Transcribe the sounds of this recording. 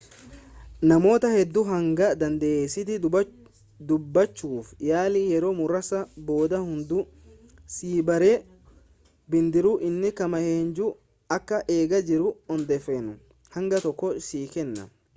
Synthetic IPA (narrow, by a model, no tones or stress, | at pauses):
nɐmo̞ːt̪ɐhɛd̪ːʊɦɐŋɡɐd̪ɐnd̪ɐʔeːsːɪt̪ɪ | d̪ʊbːɐt͡ʃːuːfjaːliːjɛɾo̞ːmʊɾɐsɐbo̞ːd̪ɐhʊnd̪ʊ | siːbɐɾe | bɪnd̪ɪɾʊʔɪnːɪkɐmɐheːnd͡ʒu | ɐkːɐʔeːɡɐd͡ʒɪɾʊɔnd̪ɛfːenʊ | hɐŋɡɐt̪ɔkːɔsiːkɛnːɐ̰